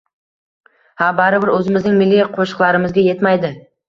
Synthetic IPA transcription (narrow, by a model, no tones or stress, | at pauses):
habaɾɪbɪɾɵzɪmɪznɪŋmɪlːijqʰoʃɨ̥qlˠaɾɪmɪzɡʲaje̞t̪majd̪ɪ